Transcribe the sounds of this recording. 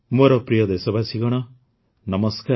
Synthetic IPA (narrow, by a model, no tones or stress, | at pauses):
moɾɔpɾijɔd̪esɔbasiɡɔɽ̃ɔ | nɔmɔska